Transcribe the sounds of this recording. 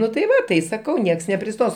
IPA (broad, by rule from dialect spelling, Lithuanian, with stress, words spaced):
ˈnʊ tɐɪ ˈʋɐ tɐɪ sɐˈkɐʊ ˈnʲiɛks nʲɛpʲrʲɪˈstoːs